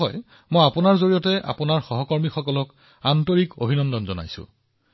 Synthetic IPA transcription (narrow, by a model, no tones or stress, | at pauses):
ɔ̰j | mojapʊnaɹzoɹiɔtɛʔa̰pʊnaɹxɔɦɔkɔɹmixɔkɔlɔk | antoɹiko̰bʱinɔndɔnzɔna̰jsʊ̰̃